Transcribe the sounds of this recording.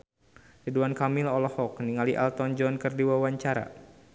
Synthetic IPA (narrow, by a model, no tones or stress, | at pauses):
riduankamilɔlɔhɔkniŋaliʔalt̪ɔnd͡ʒɔnkərdiwawaɲt͡ʃaɾa̰